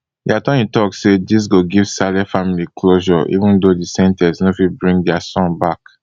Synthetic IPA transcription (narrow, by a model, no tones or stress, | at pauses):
diatɔ̃nĩtɔksedis̬ɡoɡiv̥salɛfamilikʰloʒɔʔḭvũndodisɛ̃ntɛsnofibɹĩŋdɛasɔ̃nbak